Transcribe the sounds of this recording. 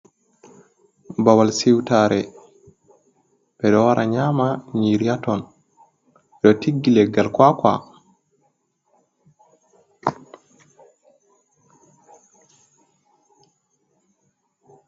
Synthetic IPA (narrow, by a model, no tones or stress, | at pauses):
bawalsiwtaɾɛ | bɛdɔwaɾʔaɲamaɲiɾijatɔn | dɔtiɡːilɛɡalkwakwa̰